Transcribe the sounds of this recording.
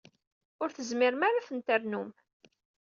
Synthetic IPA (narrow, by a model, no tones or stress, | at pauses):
ʊɾθəzmɪɾmaɾafənt̪əɾnum